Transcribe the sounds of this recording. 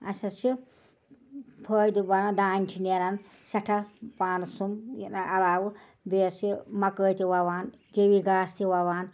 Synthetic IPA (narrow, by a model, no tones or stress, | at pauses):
ɐsɐt͡ʃʰi | pʰəːjd̪ibɐnɐd̪aːnʲt̪ʲʰineɾɐn | sɐʈʰɐpaːnsumjḭnɐɐlaːwɨ | beːsimɐkəːjt̪iwɐwaːn | d͡ʒewiɡaːst̪ʰiwɐwaːn